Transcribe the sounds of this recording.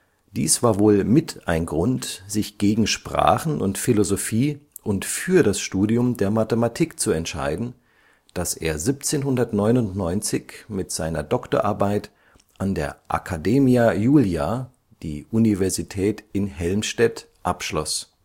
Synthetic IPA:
d̥iːsv̥aːɐvoːlmɪtʰʔaɪnɡʁʊntz̥ɪçɡ̥eːɡŋ̩ʃpʁ̥a̰ːχn̩ʔʊntfilozofiːʔʊntfyːɐdasʃtuːdiʊmdeːɐmatəmatʰiːkt͡suɛntʃa̰ɪdn̩ | d̥asʔḛːɐzip̚t͡seːnɦʊndɐtnɔʏnʊntnɔʏnt͡sɪçmɪtz̥aɪnɐ̰dɔkto̰ɐʔaɐbaɪt | ʔandeːɐʔa̰kʰadeːmiajuːlja | d̥iːʔunivɛɐzitʰɛːtɪnhɛlmʃtɛt | ʔapʃlɔ̰s

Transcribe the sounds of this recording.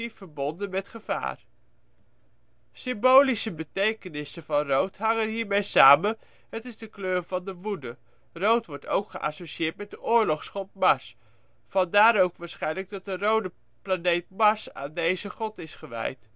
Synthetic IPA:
ifəɹbɔndənmɛtχəv̥a̰ːr | sɪmbowlisəbətejkənɪsəvɑnrowtɦɑŋənɦiːɹmejsaːmən | ɦətɪzdəkløːɹvɑndəʋudə | rowtʋɔɹto̰wkχəʔa̰soʃiɪːɹt̚mɛt̚dəʔʊːɹlɔχsχɔp̚mɑs | fɑndaːɾowkʋaːɹsχɛjnləɡ̚dɑt̚dərowdə | planejt̚mɑsa̰ːndejzəχɔtɪsχəʋɛ̰jt

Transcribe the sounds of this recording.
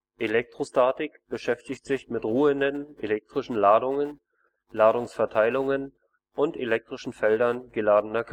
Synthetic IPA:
ʔelɛk̚tʁ̥ostaɐtɪkb̥əʃɛftɪçtz̥ɪçmɪtʁuːəndənelɛk̚tʁ̥ɪʃn̩laːdʊŋən | laːɾʊŋsfɛɐtʰaɪlʊŋən | ʔʊntelɛk̚tʁ̥ɪʃn̩fɛldɐnɡəlaːdn̩ɐkʰ

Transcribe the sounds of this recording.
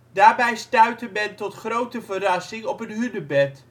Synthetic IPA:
daːɹbɛjstœɥtəmɛntɔtχrowtəvərɑsɪŋɔpənɦydəbɛt

